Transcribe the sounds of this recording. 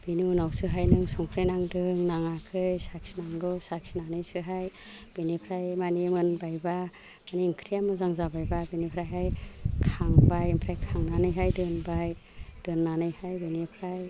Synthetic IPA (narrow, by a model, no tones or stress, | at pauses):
b̥iniunawsɯɦajnɯŋsɔŋpʰɾenaŋdɯŋnaŋakʰɯjsaksinaŋɡɯsaksinanɯjsɯɦaj | b̥inipʰɾajmanimɯnbajba | maniːŋkʰɾijamɯzaŋzabajbabinipʰɾajɦajkʰaŋbajmpʰɾajkʰaŋnanɯjɦajdɯnbaj | d̥ɯnːanɯjhajbinipʰɾaj